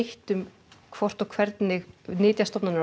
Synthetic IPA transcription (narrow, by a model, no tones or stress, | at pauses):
ht̪ʏm | kʰv̥ɔr̥t̪ɔɣkʰvɛɾt̪nɪɣnɪːt̪jast̪ɔpnana